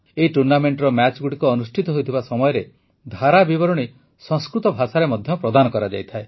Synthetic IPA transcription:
eiʈuɾnameɳʈɾɔmat͡ʃɡuʈikuɔnusʈʰit̪ɔɦojt̪ʰibasɔmɔjɔɾe | d̪ʱaɾabibɔɾɔɽ̃i | sɔ̃ŋskɾut̪ɔbʱasaɾemɔd̪ʱjɔpɾɔd̪anɔkɔɾad͡ʒa̰jt̪ʰae

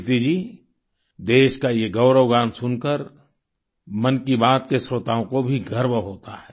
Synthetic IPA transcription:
t̪id͡ʒiː | d̪eːʃkajeɡɐʊɾəʋɡaːnsʊnkəɾ | mɐnkibaːt̪kesɾoːt̪aːõkobʱiɡʱɐɾbɦoːt̪aɦɛː

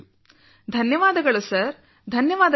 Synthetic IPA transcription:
d̪ʱɐnjɐʋaːd̪ɐɡɐɭusɐɾ | d̪ʱɐnjɐʋaːd̪ɐ

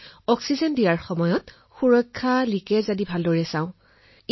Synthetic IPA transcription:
ɔksizɔndijaɹxɔmɔjɔt | xuɹɔkʰːalikɛzadibʱaldɔɹɛsãʊ̃

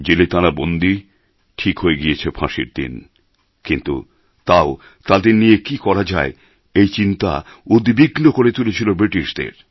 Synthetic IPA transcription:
d͡ʑelet̪aɾabond̪i | ʈʰikɦoeɡijet͡ɕʰepʰã̰ʃḭɾd̪ḭn | kint̪ṵ | t̪ao | t̪ad̪eɾnijekikɔɾad͡ʑae | ejt͡ɕint̪a | od̪biɡnokoɾet̪ulet͡ɕʰilobɾiʈiʃd̪ḛɾ

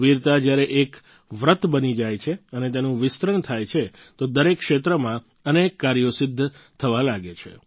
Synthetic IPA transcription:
ʋiɾt̪ad͡ʒjaɾeʔek | ʋɾət̪bənid͡ʒajt͡ʃʰeənet̪enũʋɪst̪ɾəɳt̪ʰajt͡ʃʰe | t̪od̪əɾekːʃet̪ɾəmã | ənekːaɾijosɪd̪ʱːt̪ʰəʋalaɡet͡ʃʰḛ

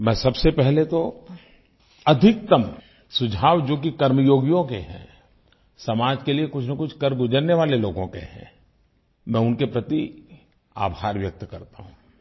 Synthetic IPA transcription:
mɛ̃ːsɐbsepɛɦlet̪o | ɐd̪ʱɪk̚t̪əm | sʊd͡ʒʱaːʋd͡ʒoːk̬ikɐɾməjoːɡjõkḛɦɛ̰̃ː | sɐmaːd͡ʒkeliekʊt͡ʃʰnakʊt͡ʃʰkɐɾɡʊd͡ʒəɾneʋaːleloːɡõkḛɦɛ̰̃ | mɛ̃ːʊnkepɾɐt̪i | a̰ːbʱaːɾʋjɐk̚t̪kɐɾt̪a̰ɦũː

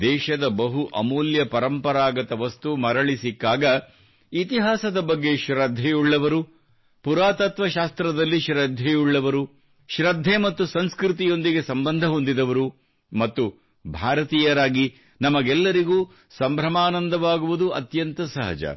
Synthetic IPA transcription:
d̪ɛːʃɐd̪ɐbɐɦuʔɐ̰moːljɐpɐɾɐmpɐɾaːɡɐt̪ɐʋɐst̪umɐɾɐɭisikːaːɡɐ | it̪iɦaːsɐd̪ɐbɐɡːe̞ʃɾɐd̪ʱːejuɭːɐʋɐɾu | puɾaːt̪ɐt̪ʋɐʃaːst̪ɾɐd̪ɐlːiʃɾɐd̪ʱːejuɭːɐʋɐɾu | ʃɾɐd̪ʱːemɐt̪ːusɐnskɾit̪̬ijo̞nd̪iɡe̞sɐmbɐnd̪ʱɐɦo̞nd̪id̪ɐʋɐɾu | mɐt̪ːu | bʱaːɾɐt̪iːjɐɾaːɡi | nɐmɐɡɛlːɐɾiɡuː | sɐmbʱɾɐmaːnɐnd̪ɐʋaːɡuʋud̪uɐ̰t̪jɐnt̪ɐsɐɦɐ̰d͡ʒɐ̰

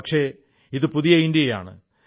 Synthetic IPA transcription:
ɐkʂe̞ | iðɨpuðijɐindijɐja̰ːɳɨ̰

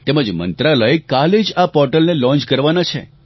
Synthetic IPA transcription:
t̪eməd͡ʒmə̰nt̪ɾaləekaled͡ʒapɔɾʈəlnelɔ̃nt͡ʃkəɾʋanat͡ʃʰḛ

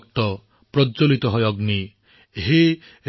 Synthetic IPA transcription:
k̚ʈ̪ɔ | pɾɔt͡ʃolit̪ɔɦɔjɔɡni | ɦe

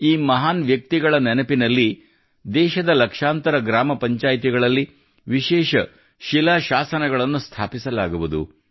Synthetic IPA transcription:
iːmɐɦaːnʋjɐk̚t̪iɡɐɭɐnɛnɐpinɐlːi | d̪ɛːʃɐd̪ɐlɐkʂaːnt̪ɐɾɐɡɾaːmɐpɐɲt͡ʃaːjt̪iɡɐɭɐlːi | ʋiʃɛːʃɐ | ʃilaːʃaːsɐnɐɡɐɭɐnːust̪ʰaːpisɐlaːɡuʋud̪ṵ

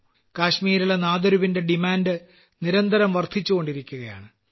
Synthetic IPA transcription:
kaːɕmiːɾulenaːd̪ɐɾubinde̞ɖimaːndɨ | niɾɐnd̪ʱɐɾɐmʋɐrt̪ʰit͡ɕːuɣo̞ɳɖiɾikʲːuɣɐja̰ːɳɨ

